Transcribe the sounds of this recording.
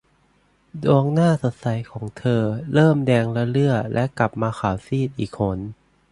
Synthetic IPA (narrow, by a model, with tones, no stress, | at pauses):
du˧əŋnaː˥˩so˨˦t̪̚sa˩˦jkʰɔː˩˦ŋt̪ʰɤː˧ɾɤː˥˩mdɛː˧ŋla˦˥lɯ˥˩ɐlʔɛ˦˥ʔkla˨˩p̚maː˧xʰaː˨˩˦wsiː˥˩t̪̚ʔiː˨˩k̚ʰːo˦˥n